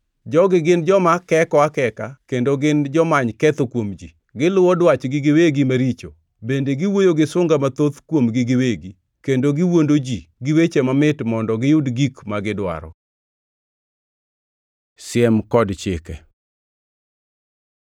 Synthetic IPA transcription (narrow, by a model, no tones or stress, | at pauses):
d͡ʒɔɡɪɡɪnd͡ʒɔmakɛkɔakɛkakendoɡɪnd͡ʒɔmaɲkɛt̪okwomd͡ʒi | ɡɪlʊwɔdwat͡ʃɡɪɡɪweɡimaɾit͡ʃo̰ | bendeɡɪwojoɡɪsʊŋɡamat̪ot̪kwomɡiɡɪweɡi | kendoɡɪwondod͡ʒiɡɪwet͡ʃemamɪtmɔndɔɡɪjʊdɡikmaɡɪdwa̰ɾɔ̰ | sɪɛmkɔdt͡ʃɪ̰kɛ̰